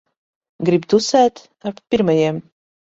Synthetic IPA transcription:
ɡɾib̚d̪usæːt̪ | appʲiɾmɐjɛm

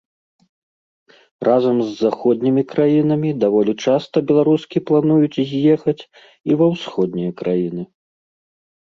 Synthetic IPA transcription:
rʔazɐmzːaxɔd̪̚ʲnʲimʲikɾajinɐmʲid̪avɔlʲit͡ʂast̪ɐbʲɛlˠaɾuskʲiplˠanujut͡sʲjɛxɐt͡sʲ | ivɐwsxɔd̪̚ʲnʲijɐkɾajinɨ

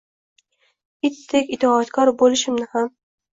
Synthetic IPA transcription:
ɪt̪ʰːekʲɪt̪ʰɒːt̪kʰɒɾbolɪʃɪmnɪham

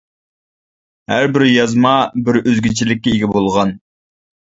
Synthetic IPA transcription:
hæɾbɪɾjɑzmɑbɪɾøzɡʲit͡ʃʰilɪk̚ʲːɛiɡʲɛbolˠʁɑn

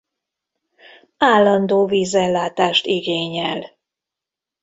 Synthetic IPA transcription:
aːlːɒnd̪oːviːzɛlːaːt̪aːʃt̪iɡeːɲɛl

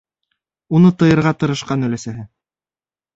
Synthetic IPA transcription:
unɤt̪ɤ̆jɤ̆ɾʁɑt̪ɤ̆ɾɤ̆ʃqɑnɵ̆læsæɦɘ

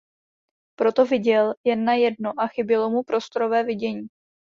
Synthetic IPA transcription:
pɾo̞t̪o̞vɪɟɛljɛnːajɛdnoʔaxɪbɪlo̞mupɾo̞st̪oɾo̞vɛːvɪɟɛɲiː

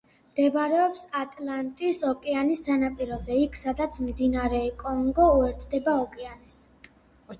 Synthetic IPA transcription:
md̪̥ɛbɾɛɔpsat̪ʼlˠant̪ʼisɔkʼɛanisːanapʼiɾɔzɛikʰsad̪at̪sʰmd̪inaɾɛkʼɔŋɡɔuɛɾt̪ʰd̪ɛbaɔkʼɛanɛs

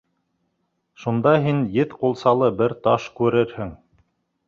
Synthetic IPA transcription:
ʃund̪ɑɦinjɘθqulˠsɑlˠɤbɘɾt̪ɑʃkʉɾɘɾhɘŋ

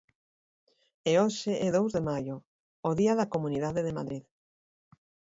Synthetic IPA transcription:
eoʃɪʔɛðowzðemajoː | ðiɐðɐkomuniðaðeðema̰ðɾið

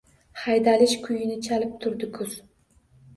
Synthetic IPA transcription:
hajd̪alɪʃkʰʊjɪnɪt͡ʃʰalɪp̚t̪ʰʊɾd̪ɪkʰʊz̥

